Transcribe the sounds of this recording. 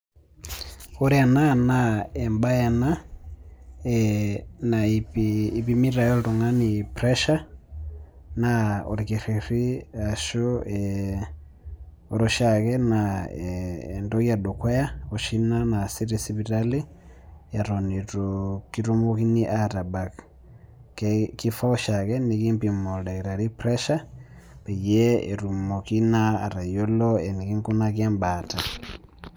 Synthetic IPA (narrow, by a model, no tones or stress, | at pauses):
ɔɾiananaɛmbajana | ɛnaipiːβimiɾajɔlɾɔŋanipɾɛʃa | naɔ̰ɾikiɾiɾiaʃɔɛ | ɔɾɔʃakɛnaɛːndɔjaɗɔkwɛjaoʃinanasiɾisiβiɾali | jaɾɔniɾokiɾumokiniʔatabak | kifaɔʃakɛnikimpimolaiɾaɾipɾɛʃa | pejeḛɾumokinaːɾajolɔɛnikiŋkunakɛmbata